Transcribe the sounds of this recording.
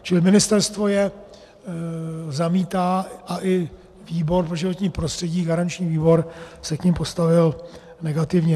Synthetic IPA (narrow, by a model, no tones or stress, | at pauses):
t͡ʃɪlɪmɪnɪst̪ɛɾst̪vo̞jɛ | zamiːt̪aːʔaʔɪ | viːbo̞ɾpɾoʒɪvo̞t̪ɲiːpɾo̞st̪r̥ɛɟiːɡaɾant͡ʃɲiːviːbo̞ɾsɛkɲɪmpo̞st̪avɪl | nɛɡat̪ɪvɲɛ